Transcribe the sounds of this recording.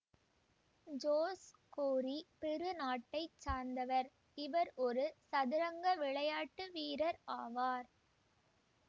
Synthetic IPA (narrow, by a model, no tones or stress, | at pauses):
d͡ʒoːs | koːɾipɛɾɯnaːʈːɐɪt͡ʃːaːɾnd̪ɐʋɐɾ | ɪʋɐɾɔɾɯsɐðɪɾɐŋɡɐʋɪɭɐjaːʈːɯʋiːɾɐɾaːʋaːɾ